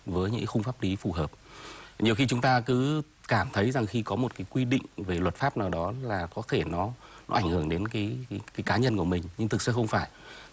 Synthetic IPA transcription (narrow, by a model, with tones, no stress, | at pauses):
vəː˨˦jɲɨ̰˧˥kxʊ˧ŋ͡mfaː˦˥p̚li˨˦fu˨˩ɦəː˨˩p̚ɲi˨˩əwxi˧t͡ɕʊ˨˦ŋ͡mt̪aː˧kɨ˨˦ | kaː˧˩mt̪ʰə˨˦jza˨˩ŋxi˧kɔ˨˦mo˨˩t̚kaː˨˦jkwi˧ɗḭ˧˨ŋ̟ve˨˩lwə˨˩t̚faː˦˥p̚naː˨˩wɗɔ˨˦laː˨˩kɔ˨˦t̪ʰe˧˩nɔ˨˦nɔ˨˦ʔa˧˩ŋ̟hɨ˧˩əŋɗe˨˦nkaː˨˦jkaː˨˦jkaː˨˦ɲə˧nku˧˩əmï˨˩ŋ̟ɲɨ˧ŋt̪ʰɨ˨˩k̚sɨ̰˧˦xə˧wŋ͡mfaː˧˩j